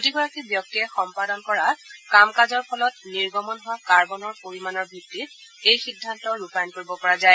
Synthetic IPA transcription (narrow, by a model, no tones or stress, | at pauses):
kotiɡɔɹakibjɔk̚tiɛxɔmpadɔnkɔɹakamkazɔɹpʰɔlɔtniɹɡɔmɔnɦʊwakaɹbɔnɔɹpoɹimanɔɹbʱitːit̚ejxidʱːantɔɹupajnkoɹibɔpɔɹazaj